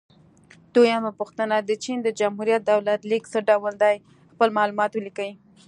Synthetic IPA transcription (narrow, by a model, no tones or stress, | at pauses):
d̪̥ojamapuxt̪ənad̪ət͡ʃind̪əd͡ʒamɦuɾijat̪̚d̪awlat̪liksəɖawəld̪ɑj | xpəlmɑlumɑt̪wəlikawi